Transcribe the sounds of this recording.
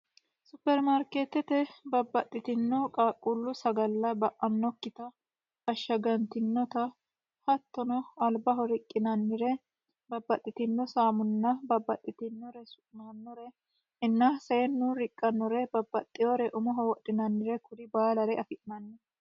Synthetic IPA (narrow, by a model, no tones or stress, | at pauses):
sʊpːɛɾmaɾkeːt̪ɛt̪ɛbɐbːɐt̪ʼːɪt̪ɪnːɔkʼaːkʼːulːʊsɐɡɐlːɐbɐʔɐnːɔkːɪt̪ɐ | ɐʃːɐɡɐnt̪ɪnːɔt̪ɐ | hɐt̪ːɔnɔɐlbɐɦɔɾɪkʼːɪnɐnːɪɾɛ | bɐbːɐt̪ʼːɪt̪ɪnːɔsaːmʊnːɐbɐbːɐt̪ʼːɪt̪ɪnːɔɾɛsʊnɐnːɔɾɛ | ɪnːɐseːnːʊɾɪkʼːɐnːɔɾɛbɐbːɐt̪ʼːɪjɔɾɛʔʊmɔɦɔwɔɗɪnɐnːɪɾɛkʊd̪ɪbaːlɐɾɛɐfɪʔnɐnːɛ